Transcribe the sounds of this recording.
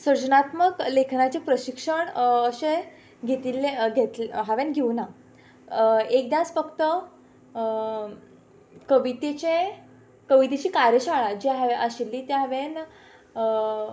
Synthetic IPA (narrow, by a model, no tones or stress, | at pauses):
səɾd͡ʑnat̪məklekʰnat͡ɕepɾəɕikʂəɳəɕe | ɡʱet̪ilːeɡʱet̪lɦaʋenɡʱeʋna | ek̚d̪jat͡sfəkt̪ə | kəʋit̪et͡ɕe | kəʋit̪et͡ɕiːkaɾjəɕaɭad͡ʑiɦaʋeʔaɕilːiːt̪eɦaʋen